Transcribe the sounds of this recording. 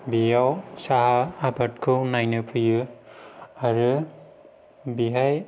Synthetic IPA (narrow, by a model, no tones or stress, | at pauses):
bijawsaɦaːbat̚kʰɯwnajnɯpʰɯjɯ | aɾɯ | biɦaj